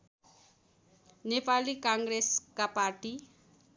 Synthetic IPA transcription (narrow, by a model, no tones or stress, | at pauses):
nepalikaŋɡreskaparʈi